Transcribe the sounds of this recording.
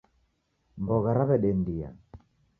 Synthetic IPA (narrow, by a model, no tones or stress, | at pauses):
mbɔɣaɾaβɛɗɛndia̰